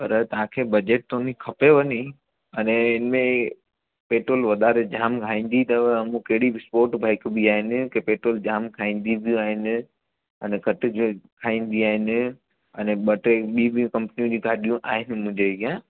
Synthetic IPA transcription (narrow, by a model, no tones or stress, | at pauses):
pɐɾt̪ɐʋ̤ãkʰeːbɐd͡ʑeːʈ̚t̪onĩkʰɐpeʋɐni | ɐnẽɪnmẽ | peːʈɾoːlʋɐd̪aːɾed͡ʑaːmkʰaːĩːn̆d̪it̪ɐʋɐmũkɐɦɪɽibɪspoːɾʈbʱaːɪkbiaːɦɪnɪ̆kepeːʈɾoːld͡ʑaːmkʰaːĩːn̆d̪ib̪ʱijũaːɦɪnɪ̆ | ɐnekɐʈɪd͡ʑkʰaːĩːnd̪iaːɦɪnɪ̆ | ɐnẽɓɐʈeɓibijũkɐ̃mpnijũd͡ʑĩɡʱaːɗijũʔaːɦɪnɪ̆mʊ̃ɦɪ̃ɲd͡ʑeɡijã